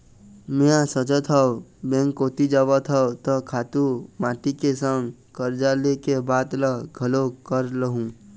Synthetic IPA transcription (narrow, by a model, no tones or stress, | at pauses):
mẽãsət͡ʃət̪ʰɔbẽŋkot̪id͡ʒəbət̪ʰɦɔt̪ɔkʰat̪umaːʈikesə̃ŋɡkəɾd͡ʒalekebaːt̪ləɡʱəlokəɾləɦũ